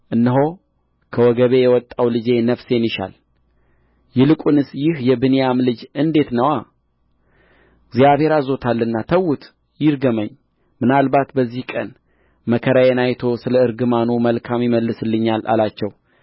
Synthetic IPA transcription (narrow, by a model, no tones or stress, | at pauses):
ʔɨnːɨɦo̞ | kʰəwɔɡəβe̞jɛwɔt̪ʼːawlɨd͡ʒe̞nəfse̞niʃa̰l | jɪlɨkʼunɨsjɪhjɛbɨnijamlɨd͡ʒɨnd̪e̞t̪nəwa | ɡzjaβhe̞ɾazo̞t̪ʰalːɨnːat̪ʰəwut̪ | jɪɾɡəməɲː | mɨnalbat̪bəzːihkʼən | məkʰəɾajenajt̪ʰo̞sɨləɨɾɡɨmanuməlkʰamjɪməlːɨsɨlːɨɲːalʔa̰lat͡ʃːɛw